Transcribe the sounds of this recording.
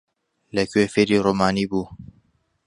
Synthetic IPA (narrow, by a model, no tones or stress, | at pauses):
lɛkʰeːfeːɾiːɾoːmaːniːbuː